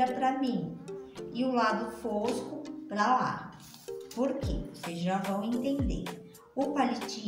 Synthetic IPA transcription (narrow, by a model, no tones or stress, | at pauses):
ɐpɾɐmĩ | ɪʊlad̪ʊfoskʊpɾala̰ | poɾkḛvosezʒavɐ̃w̃ẽnt̪ẽnd̪ḛɾ | ʊpalit͡ʃi